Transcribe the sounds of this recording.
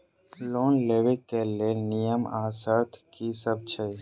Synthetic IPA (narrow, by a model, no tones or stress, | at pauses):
loːnleːwekelenijəmaːsəɾt̪ʰkisəb̚t͡ʃʰə